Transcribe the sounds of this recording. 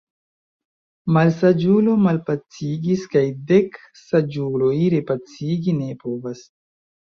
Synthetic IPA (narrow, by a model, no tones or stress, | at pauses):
malsad͡ʒulo̞malpat͡siɡiskajdek | sad͡ʒulo̞jɾepat͡siɡine̞po̞vas